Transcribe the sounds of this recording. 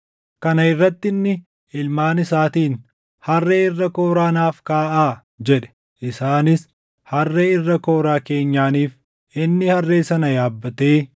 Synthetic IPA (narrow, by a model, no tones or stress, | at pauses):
kɐnɐɪrːɐt̪ːɪnːɪ | ɪlmaːnɪsaːt̪iːn | hɐrːeːɪrːɐko̞ːɾaːnaːfkaːʔaː | d͡ʒɛᶑɛ̥ | ʔɪsaːnɪs | hɐrːeːɪrːɐko̞ːɾaːke̞ːɲːaːniːf | ɪnːɪhɐrːe̞ːsɐnɐjaːbːɐt̪eː